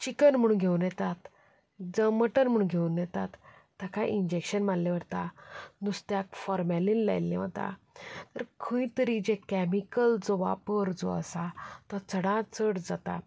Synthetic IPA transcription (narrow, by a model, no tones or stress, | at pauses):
t͡ɕikənm̤əɽũnɡʱeunjɛt̪at̪ | d͡zəməʈənm̤əɽ̃ũnɡʱeunjɛt̪at̪ː | akʰaʔiɲd͡ʑekɕənmallẽʋəɽt̪anust̪jakfɔɾmɛlĩːnla̰jlːḛ̃ʋat̪a̰ | t̪əɾkʰə̃ĩt̪əɾid͡ʑekæmikəld͡zoʋa̰pəɾd͡zo̰ə̰sat̪ɔt͡səɽãt͡səɽd͡zat̪a̰